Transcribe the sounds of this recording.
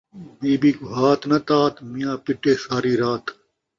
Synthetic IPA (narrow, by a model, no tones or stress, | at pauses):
miːbiːkuɦaːt̪nɐt̪aːt̪mijãːpɪʈeːsaːɾiːɾaːt̪